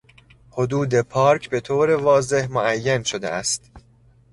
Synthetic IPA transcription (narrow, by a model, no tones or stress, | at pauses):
hod̪uːd̪e̞pʰɒːɾcʰbe̞t̪ʰoːɾevɒːze̞hmoʔæjːænʃod̪ḛʔæst̪